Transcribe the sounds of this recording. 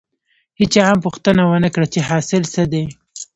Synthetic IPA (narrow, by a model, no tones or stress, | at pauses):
hɪt͡ʃaampuxt̪ənawənəkɽat͡ʃeɦɑsɪlsəd̪e